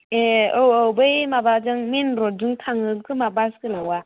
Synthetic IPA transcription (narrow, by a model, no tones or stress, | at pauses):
oobəjmabad͡ʒəŋminɾod͡ʒuŋtʰaŋəkɨmabaskɨlawa